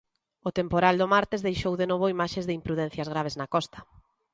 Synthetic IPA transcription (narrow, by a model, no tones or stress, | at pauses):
ʊt̪empoɾald̪ʊmaɾt̪ɪzðejʃowðenoβʊimaʃezðɪimpɾuðɛn̟θjɐzɣ̞ɾaβ̞eznɐkɔst̪ɐ̥